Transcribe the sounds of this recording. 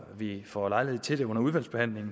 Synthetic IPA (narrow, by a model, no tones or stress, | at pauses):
ʋifɒlɑ̈ɪlihe̝ð̰ˠt͡sʰe̝ldeɔ̽n̰ɐuð̞ˠʋæl̰sb̥e̝hæn̰le̝ŋn̩